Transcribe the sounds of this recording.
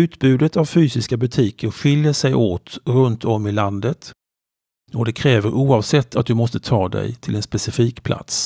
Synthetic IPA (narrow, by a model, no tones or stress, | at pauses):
ʉ̟ːt̪bʉ̟ːd̪ət̪avfyːsɪskabɵt̪ʰiːkʰəɾɧɪljəʂɛjʔoːt̪ɾɵnt̪ʰɔmːɪland̪ət̪ | ɔd̪ɛkʰɾɛːvəɾʔuːɑːvsɛt̪ʰːat̪̚d̪ɵmɔst̪ət̪ʰɑːd̪ɛ̰jt̪ʰɪlɛnspɛsɪfiːkpʰlʔa̰t̪s